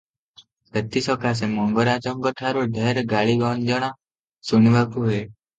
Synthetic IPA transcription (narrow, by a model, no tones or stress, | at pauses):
ət̪ːisɔkas̬emɔŋɡɔɾad͡ʒɔŋɡɔʈʰaɾoɖʱeɾɡaɭiɡɔnd͡ʒɔɽ̃ã | suniʋakuɦe